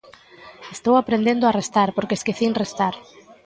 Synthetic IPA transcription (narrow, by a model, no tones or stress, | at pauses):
est̪owapɾend̪ẽnd̪oarest̪aɾpoɾkeskeθiŋrest̪aɾ